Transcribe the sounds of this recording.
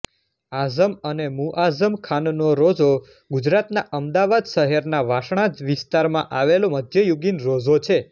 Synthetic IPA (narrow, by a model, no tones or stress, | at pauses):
azəmənemuʔazəmkʰannoɾod͡ʒo | ɡud͡ʒɾat̪naʔəmd̪aʋad̪ʃəɦɛɾnaʋaʃɳãd͡ʒʋɪst̪aɾmãʔaʋeloməd̪ʱjəjuɡinɾod͡ʒot͡ʃʰe